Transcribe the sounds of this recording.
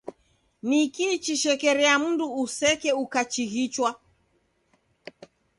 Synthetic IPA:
nikit͡ʃiʃɛkɛɾɛam̩nduːsɛkɛukat͡ʃiɣit͡ʃwa

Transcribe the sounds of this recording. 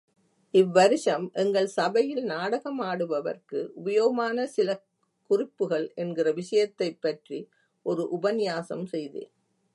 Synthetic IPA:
ɪʋːɐɾɪʂɐmʔɛŋɡɐɭsɐbɐjɪlnaːɽɐɣɐmaːɽɯʋɐʋɐ̰rkɯʔʊbɐjoːɣɐmaːnɐsɪlɐ | kʊrɪpːɯɣɐɭɛnɡɪrɐʋɪʂɐjɐt̪ːɐɪpːɐʈri | ʔɔɾɯʔʊbɐnɪjaːsɐ̰msɛjðḛː

